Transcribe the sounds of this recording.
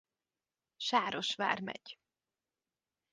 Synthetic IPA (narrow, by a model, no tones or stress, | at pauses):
ʃaːɾo̞ʃʋa̰ːrmɛ̰ɟ̥